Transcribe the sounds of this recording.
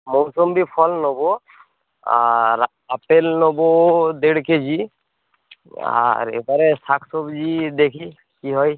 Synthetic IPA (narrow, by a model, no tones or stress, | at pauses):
mɔwsɔmbipʰɔlnobɔ | aɹ | apelnobɔd̪eɽkezi | a̰ɹḛbaɾɛsakʰsobzid̪ekʰi | kiɦɔj